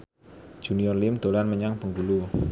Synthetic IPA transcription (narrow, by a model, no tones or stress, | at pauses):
d͡ʒ̥uniɔrlimd̪̥o̤lanməɲaŋpəŋɡulu